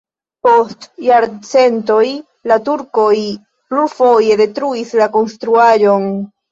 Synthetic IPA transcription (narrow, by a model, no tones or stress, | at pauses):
po̞stjaɾt͡se̞nto̞j | latuɾko̞j | pluɾfo̞je̞de̞tɾuislako̞nstɾuaʒo̞n